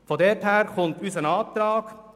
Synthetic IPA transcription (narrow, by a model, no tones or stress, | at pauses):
fɔd̪ɛthæːɾkʰɔnt̪ʉːsənɑːp̚t̪ɾɑːɡ̥